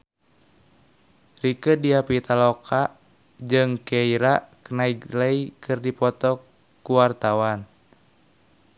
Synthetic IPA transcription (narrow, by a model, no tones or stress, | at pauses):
rikədiapit̪alɔkʰaʔ | d͡ʒɨŋkeiɾakənaikləikɨrdipɔt̪ɔ | kuwart̪awan